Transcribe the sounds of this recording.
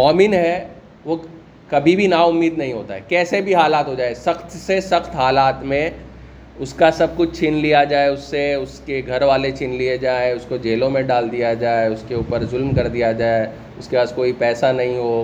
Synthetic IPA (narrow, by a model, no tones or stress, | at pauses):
mɔːmɪnɦɛ | ʋo | kɐbʱibʱinaʊmːiːd̪nɐɦĩɦoːt̪a̰ɦɛkɛːsebʱiɦaːlaːt̪ɦod͡ʒaːesɐxt̪sesɐxt̪ɦaːlaːt̪mẽ | ʊskasɐb̚kʊt͡ʃʰt͡ʃʰɪnlijad͡ʒaːeʊsːeʊskeɡʱɐɾʋaːlet͡ʃʰɪnlied͡ʒaːeʊskod͡ʒeːlõmẽɖaːld̪ijad͡ʒaːeʊskeuːpəɾzʊlmkɐɾd̪ijad͡ʒaːe | ʊskepaːskoːipɛːsanɐɦĩɦo